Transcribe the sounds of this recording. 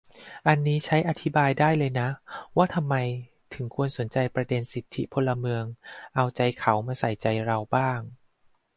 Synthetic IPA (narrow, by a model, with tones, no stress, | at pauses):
ʔa˧nːiː˦˥t͡ɕʰa˦˥jʔa˧t̪ʰi˦˥baː˧jdaː˥˩jlɤː˧jna˦˥waː˥˩t̪ʰa˧mːa˧j | t̪ʰɯ˨˩˦ŋkʰu˧ənso˨˩˦nt͡ɕa˧jpɾa˧de˧nsi˨˩t̪ʰːi˦˥pʰo˧lːa˧mɯ˧əŋʔa˧wt͡ɕa˧jkʰa˩˦wmaː˧sa˨˩jt͡ɕa˧jɾa˧wbaː˥˩ŋ